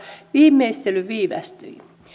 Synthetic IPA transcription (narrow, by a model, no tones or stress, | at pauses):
ʋiːmːˑeist̪elyʋiːʋæ̰st̪yi